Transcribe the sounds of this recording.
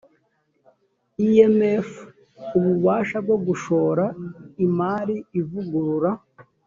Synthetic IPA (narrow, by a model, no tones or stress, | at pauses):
ijemef | uβuβaːʃab̚ɡo̞ɡuʃo̞ːɾaimaːɾiːvuɡuɾuɾa